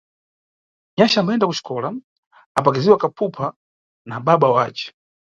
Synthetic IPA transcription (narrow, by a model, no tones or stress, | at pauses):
ɲaʃambaɛndakut͡ʃi̥kʰɔla | ap̬akiziwakapʰupʰa | naɓaɓawaːt͡ʃɛ̥